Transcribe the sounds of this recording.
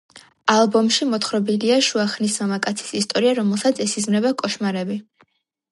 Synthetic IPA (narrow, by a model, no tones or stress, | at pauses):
alˠbɔmʃimɔt̪χɾɔbiliaʃuaχnismamakʼat̪sʰi̥sist̪ʼɔɾiaɾɔmɛlˠsat̪sʰɛsizmɾɛbakʼɔʃmaɾɛbi